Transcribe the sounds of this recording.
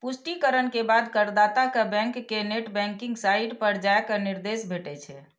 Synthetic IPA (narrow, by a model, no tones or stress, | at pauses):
pusʈikəɾənkebad̪kəɾd̪at̪akebɛ̃ŋkːeneʈbɛ̃ŋkiŋɡsajiɖpəɾd͡ʒajkəniɾd̪esbʱeʈɛt͡ʃʰɛ